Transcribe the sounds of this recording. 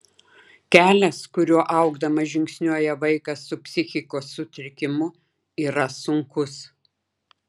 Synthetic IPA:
kʲæːlʲɛskʊɾʲuɔʔɐʊɡd̪ɐmɐʒʲɪŋʲksʲnʲuɔjɛʋɐɪkɐsːʊpʲsʲɪxʲɪkoːsːʊt̪ʲɾʲɪkʲɪmʊ | iːɾɐsʊŋkʊs

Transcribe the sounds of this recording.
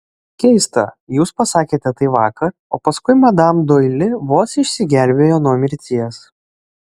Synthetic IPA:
kʲɛɪst̪ɐ̰juːspɐsɑːkʲeːt̪ʲɛt̪ɐɪʋɑːkɐɾ | oːpɐskʊɪmɐd̪ɑmd̪oːɪlʲɪʋoːsɪʃʲsʲɪɡʲæˑlʲbʲeːjoːnuɔmʲɪɾʲt̪ʲiɛs

